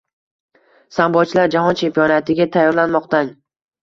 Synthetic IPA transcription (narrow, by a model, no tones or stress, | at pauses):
sambɒt͡ʃʰɪlaɾd͡ʒahɒnt͡ʃʰe̞mpijɒnat̪ʰɪɡʲat̪ʰajːɒɾlanmɒq̚t̪an